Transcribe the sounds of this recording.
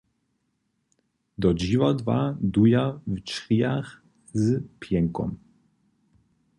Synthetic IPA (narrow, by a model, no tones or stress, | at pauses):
d̪ɔd͡ʑivad̪vad̪ujavt͡ʂɾʲijax | zpʲjɛŋkɔ̰m